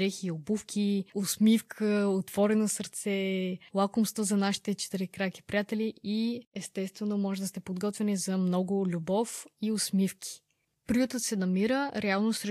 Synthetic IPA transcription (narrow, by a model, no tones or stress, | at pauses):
ɛxiobufkʲʰiosmifkʰəot̪v̥ɔɾɛnosəɾt̪sɛlˠakʊmst̪vəzɐnaʃi̥t̪ɛt͡ʃɛ̥t̪iɾɛkɾaki̥pɾijat̪ɛliiɛst̪ɛst̪vɛnomɔʒɛd̪ɐst̪ɛpod̪ɡɔt̪vɛnizɐmnɔɡʊlʲubɔfiosmifkʲʰi̥ | pɾiot̪ət̪sɛnɐmiɾəɾɛalˠnosɾɛ